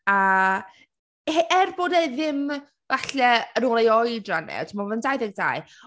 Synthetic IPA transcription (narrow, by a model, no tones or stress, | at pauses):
a | eʔɛrboːdeðɪm | vaɬɛənoːlˠejɔɨdranɛ̰tʰmavəndajðɛɡ̚da̰ɨ